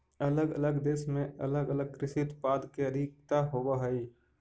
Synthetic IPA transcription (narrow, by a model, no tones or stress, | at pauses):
ələɡə̰ləɡd̪eːsmẽə̰ləɡələɡ̚kɾɪʃɪt̪paːd̪keəd̪ʱɪk̚t̪aɦoːbaɦəi